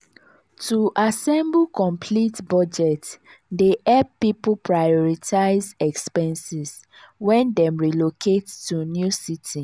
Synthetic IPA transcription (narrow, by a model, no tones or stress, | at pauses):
tʰuʔasɛ̃mbkɔ̃mpʰlitbɔd͡ʒɛt | deʔɛbpːipupɹajɔɹitʰaɪzɛkspɛ̃nsis | wɛ̃ndɛ̃mɹilokʰettunjusitʰĩ